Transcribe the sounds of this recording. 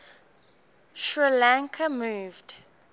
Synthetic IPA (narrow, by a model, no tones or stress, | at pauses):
ʃɹilãŋkʰəmuːvd